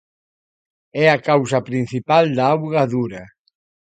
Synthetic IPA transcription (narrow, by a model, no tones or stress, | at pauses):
ɛakawsɐpɾin̟θipald̪aawɣaðuɾɐ